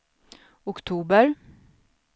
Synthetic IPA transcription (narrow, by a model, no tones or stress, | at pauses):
ʊkt̪ʰuːbəɾ